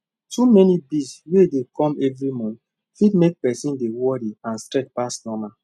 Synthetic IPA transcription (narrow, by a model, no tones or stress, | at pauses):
tumɛnibiswedekɔ̃mɛvɹimɔ̃n | fidmek̚pɛsĩndewɔɾiãnstɹɛt͡ʃ̚pasnɔma